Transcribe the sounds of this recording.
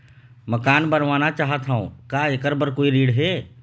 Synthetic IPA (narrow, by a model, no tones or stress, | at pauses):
mɐkaːnbəɾʋaːnat͡ʃaːɦət̪ɦaõ̰kaekəɾbəɾkoːiɾiːɽɦɛ